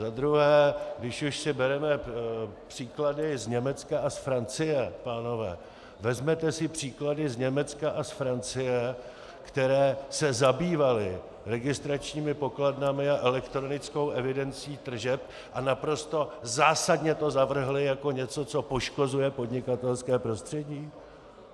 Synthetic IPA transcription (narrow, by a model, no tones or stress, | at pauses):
zad̪ɾuɦɛːɡdɪʃuʃsɪbɛɾɛmɛ | pr̝̥iːkladɪzɲɛmɛt͡skaʔasfɾant͡sɪjɛpaːno̞vɛ̰ː | vɛzmɛt̪ɛsɪpr̝̥iːkladɪzɲɛmɛt͡skaʔasfɾant͡sɪjɛ | kt̪ɛɾɛːsɛzabiːvalɪ | ɾɛɡɪst̪ɾat͡ʃɲiːmɪpo̞kladnamɪaʔɛlɛkt̪ɾo̞nɪt͡sko̞wʔɛvɪdɛnt͡siːt̪r̩ʒɛp̚ | ʔanapɾo̞st̪o̞zaːsadɲɛt̪o̞zavr̩ɦlɪjako̞ɲɛt͡so̞t͡so̞po̞ʃko̞zujɛpo̞dɲɪkat̪ɛlskɛːpɾo̞st̪r̥ɛɟiː